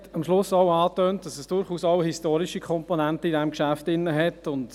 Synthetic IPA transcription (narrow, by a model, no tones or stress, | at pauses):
tɑmʃlʊsɔʊɑːtøːnt̚d̥ɑsɛsd̥ʊɾχuːsɔʊhistoːɾiʃikʰχɔmponæntəidɛmkʃæftɪnːəɦɛtʊnd